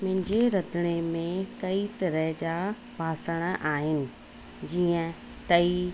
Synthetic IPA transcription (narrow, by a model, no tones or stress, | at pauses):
m̃ɦɪ̃ɲd͡ʑeɾɐd̪ʱɪɽ̃emẽkɐit̪ɐɾəɦd͡ʑa | bʱaːsəɽ̃ʔaːɦɪnɪ̆ | d͡ʑiːə̃ | t̪ɐi